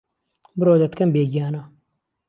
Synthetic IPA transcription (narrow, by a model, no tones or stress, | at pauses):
bɾoːd̪ɐt̪kɐmbeːɡijaːnaː